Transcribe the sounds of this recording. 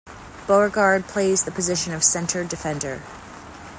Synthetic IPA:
b̥oʊə˞ɡɑɹd̚pʰl̥eɪzðɨpʰɨzɪʃɨ̃nʌv̥sɛ̃ntʰə˞dɨfɛ̃ndə̰˞

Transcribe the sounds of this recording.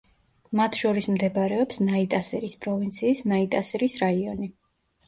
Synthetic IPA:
mat̪ʰʃɔɾismd̪ɛbɾɛɔpsnait̪ʼasɛɾispʼɾɔvint̪sʰiːsnait̪ʼasɛɾisɾaiɔni

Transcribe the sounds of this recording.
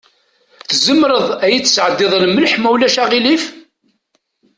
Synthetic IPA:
θzəmɾəðˤæjit͡sːsʕəd̪ːɪðˤlməlħmæwlæʃæʁilif

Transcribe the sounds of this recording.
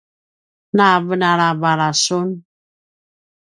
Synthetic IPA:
navənaɾavaɾasun

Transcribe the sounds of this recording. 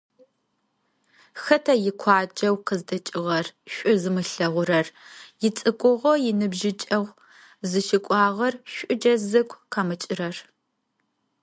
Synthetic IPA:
xɐtʰɐjɪkʷʰɑːd͡ʒʼɐwqəzdɐt͡ʃʼɪʁɐrɕʷʼʊzɨmɨɬɐʁʷʊɾɐrjɪt͡sʼɨkʷʼʊʁʷojɪnɨbʒɪt͡ʃʼɐʁʷ | zɨʃɪkʷʼɑːʁɐrɕʷʼʊd͡ʒɐzɨkʷʰʼqɑmɨt͡ʃʼɪɾɐr

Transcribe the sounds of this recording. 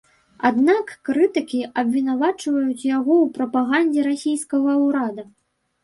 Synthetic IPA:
a̰d̪nakːɾɨt̪ɨkʲiʔɐbʲvʲinavat͡ʂvɐjut͡sʲjaɣɔwpɾɐpaɣanʲd͡zʲɛɾasʲijskɐɣɐwɾad̪ɐ

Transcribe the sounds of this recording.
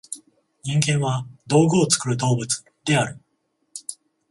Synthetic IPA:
ɲĩŋɡẽ̞ɰ̃βad̪o̞ːɡɯot͡sɨ̥kɯ̟ɾɯ̟d̪o̞ːbɯ̟t͡sɨ̥ | d̪̥e̞aɾɯ̟

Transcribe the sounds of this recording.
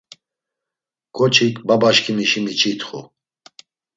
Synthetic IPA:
kʼɔt͡ʃʰikʰʼbabaʃkʰimiʃimit͡ʃʰit̪χṵ

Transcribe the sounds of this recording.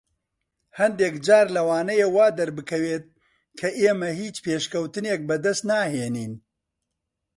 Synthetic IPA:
hɐnd̪eːkd͡ʒaːɾlɐwaːnɐjewaːd̪ɐɾbɨkʰɐweːt̪̚ | kʰɐʔeːmɐhiːt͡ʃpeːʃkɐwt̪ɨneːk̚bɐd̪ɐst̪naːheːniːn

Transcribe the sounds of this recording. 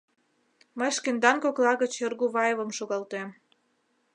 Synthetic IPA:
məjʃkend̪ɑnkoklɑɣət͡ɕɤrɣuβɑjeβə̆mʃoɣɑlt̪em

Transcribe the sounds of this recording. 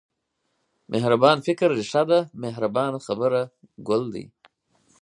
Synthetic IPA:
mʔehɾabɑːnfɪkɾːɪʃad̪ameɦɾabɑːnxabəɾa | ɡʊld̪ḭ

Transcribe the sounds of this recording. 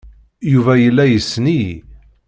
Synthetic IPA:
juvæjəlːæjəsːni

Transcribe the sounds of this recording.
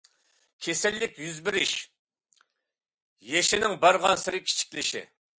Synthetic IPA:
kʲʰesɪlːɪkʲjyzbɪɾɪʃ | jeʃɪnɪŋbɑɾʁɑnsɪɾɪkʲʰi̥t͡ʃʰi̥kʲlɪʃɪ̰

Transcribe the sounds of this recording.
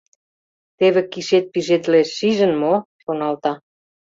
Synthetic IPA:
t̪eβĕkiʃet̪̚piʒed̪leʃːiʒə̆nmo | ʃonɑlt̪ɑ

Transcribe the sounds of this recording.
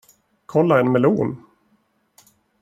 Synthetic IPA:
kʰɔlːaɛnmɛluːn

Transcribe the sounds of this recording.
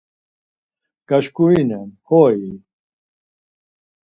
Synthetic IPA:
ɡ̥aʃkuinɛnhɔin

